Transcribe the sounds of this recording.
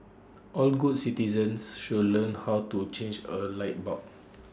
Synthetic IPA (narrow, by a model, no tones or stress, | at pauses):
ʔɔlɡud̚sitizə̃nsʃulə̃nhawtut͡ʃẽnd͡ʒəlaɪt̚bɔk̚